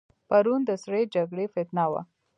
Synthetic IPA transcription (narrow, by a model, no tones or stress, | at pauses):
paɾund̪əsɽed͡ʒaɡɽefɪt̪nɑwa̰